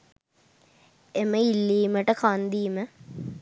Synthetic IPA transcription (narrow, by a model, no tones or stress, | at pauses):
eməilːiːməʈəkand̪iːmə